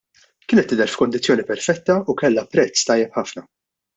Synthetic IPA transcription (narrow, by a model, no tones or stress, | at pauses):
kɪːnɛt̪ːɪd̪ɛɾfkɔnd̪ɪt͡sːjɔːnipɛɾfɛt̪ːɐukɛlːɐpɾɛt͡sːt̪ɐjːɛpħɐfnɐ